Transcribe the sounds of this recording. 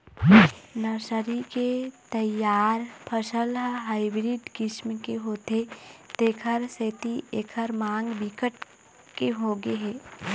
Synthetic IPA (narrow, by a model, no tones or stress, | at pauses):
nəɾsəɾiket̪ɐjaːɾpʰəʃəlɦaːɪbɾiːɖkɪʃmkeɦoːt̪et̪eːkʰəɾseːt̪iʔeːkʰəɾmãːŋɡbɪkəʈ̚ | keɦoːɡeɦɛː